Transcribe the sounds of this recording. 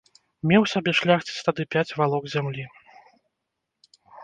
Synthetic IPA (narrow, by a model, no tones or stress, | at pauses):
mʲɛwsʲabʲɛʂlʲaxt͡sʲi̥t͡sʲt̪ad̪ɨpʲat͡sʲvalˠɔkzʲamlʲi